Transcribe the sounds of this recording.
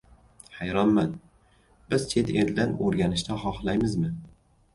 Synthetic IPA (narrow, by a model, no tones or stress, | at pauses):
hajɾɒnman | b̥ɪzt͡ʃʰe̞t̪ʰeɾd̪anoɾɡʲanɪʃt̪ʰaχɒχlˠajmɪzmɪ